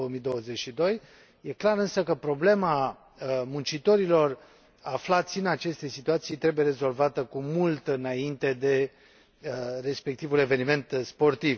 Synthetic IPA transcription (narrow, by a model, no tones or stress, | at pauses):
oəmijd̪o̞wəze̞t͡ʃʃid̪o̞j | je̞klaɾɨnsəkəpɾo̞ble̞ma | munt͡ʃit̪o̞ɾilo̞r | aflat̪sʲinat͡ʃe̞st̪e̞sit̪uat̪sijt̪ɾe̞buje̞ɾe̞zo̞lvat̪əkumult̪ɨnaint̪e̞d̪e̞ | re̞spe̞k̚t̪ivule̞ve̞nime̞nt̪spo̞rt̪iv